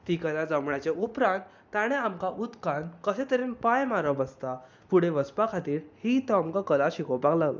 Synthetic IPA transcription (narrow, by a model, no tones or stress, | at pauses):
t̪ikəlãd͡zəmɳat͡ɕeʔupɾãnt̪ːãɽ̃eamkaʔut̪kankəɕẽt̪əɾenpajmaɾəbəst̪a | puɽ̤eʋəspakʰat̪iːɾhit̪ɔamkakəlaɕikɔpaɡlaɡla̰